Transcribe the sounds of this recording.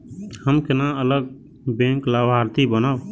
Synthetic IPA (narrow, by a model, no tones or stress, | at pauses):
həmkɪnãələɡ̚ | bẽŋklabʱaɾt̪ibənaːʊ